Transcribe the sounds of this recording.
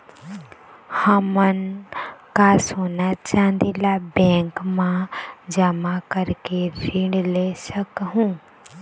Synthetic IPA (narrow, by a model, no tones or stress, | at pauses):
həmənkasoːnat͡ʃaːnd̪ilabɛ̃ːŋkmãd͡ʒəmakəɾkeɾiɳɖlesəkɦũː